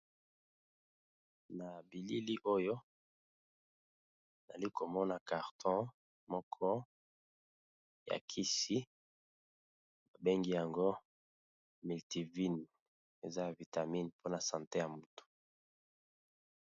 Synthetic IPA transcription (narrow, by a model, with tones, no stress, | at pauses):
na˨bi˨li˦li˦ʔo˦jo˦ | na̰˨li˦ko˨mɔ˦na˨ka˨ʁtʰɔ̃˦ | mɔ˦kʰɔ˦ | ja̰˨kʰi˦si˦ | ba˨be˦ŋɡi˦ja˨ŋɡo˦ | mi˨lti˨vi˦n | e˨za˦ja˨vi˨ta˨mi˦npʰo˦na˨sã˨nte˦ja˨mu˨tu̥˨